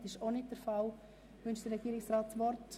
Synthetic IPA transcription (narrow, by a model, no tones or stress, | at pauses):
tɪʃonɪt̚d̥əɾfal | ʋʏnʃd̥əɾɛɡ̥iːɾɪksɾɑːtsʋɔɾt